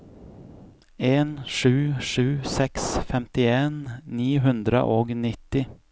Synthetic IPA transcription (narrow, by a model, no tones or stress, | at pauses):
eːnʂʉ̟ːʂʉ̟ːsɛksfɛmt̪ɪeːnːiːɦɵnd̪ɾə̰ʔɔɡnɪt̪ːɪ